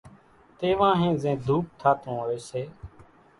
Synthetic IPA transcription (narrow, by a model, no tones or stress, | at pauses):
t̪eːʋãːɦẽːzẽːd̪ʱuːp̚t̪ʰaːt̪õːɦoːeːseː